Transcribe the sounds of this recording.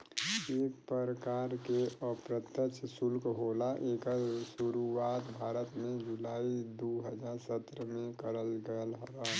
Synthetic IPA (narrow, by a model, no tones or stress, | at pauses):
eːk̚pəɾəkaːɾkeʔəpɾət̪jət͡ʃʰsʊlkɦoːlaʔeːksuɾuwaːt̪bʱaːɾət̪mẽd͡ʒulaːid̪oɦəd͡ʒaːɾsət̪ːɾəmẽkəɾəlɡəlɦɾaː